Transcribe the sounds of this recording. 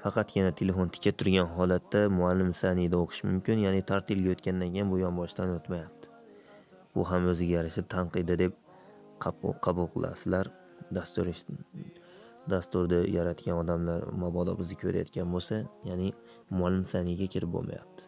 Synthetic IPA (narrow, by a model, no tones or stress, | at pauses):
fɑqʰɑt̪ɡʲɪnat̪ʰele̞font̪ʰɪ̥kʲʰat̪ʰʊɾɡʲanɦɒlat̪ʰːamʊalːɪmsanɪd̪aoqʰɨ̥ʃmʊmkʲɪnjanɪt̪ʰaɾt̪ɪlɡʲajot̪kʲand̪ankʲejɪnbʊjɒnbɒʃt̪anɵt̪majap̚t̪ʰɪ̥ | ʊ̰ɦamɵzɪɡʲajaɾaʃɪt̪ʰanqɨd̪ɪd̪e̞p̚ | qʰqʰɑbʊlˠqʰɨ̰lˠa̰sɪlaɾ | d̪ast̪ɾʃ | d̪ast̪ʊɾd̪ajaɾat̪kʲanɒd̪amlaɾmabɒd̪ɒ̰bɪzɪkʲʰɵɾa̰jɒ̰t̪kʲanbosajanɪ | mʊalːɪmsanɪɡʲakʲʰɪɾɪp̚bo̰lˠmʔa̰ja̰p̚t̪ʰɪ̥